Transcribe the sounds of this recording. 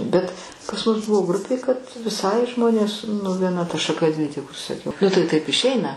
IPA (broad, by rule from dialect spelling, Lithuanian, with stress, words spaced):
bʲɛt pɐs mʊs ˈbʊʋoː ˈɡrʊpʲeː kɐt ʋʲɪˈsɐɪ ˈʒmoːnʲeːs nʊ ʋʲiɛˈnɐ tɐ ʃɐˈkɐ dʲʋʲɪ tʲɪk ʊʃʲsʲɪsɐˈkʲɛʊ nʊ tɐɪ tɐɪp ɪʃʲˈɛɪnɐ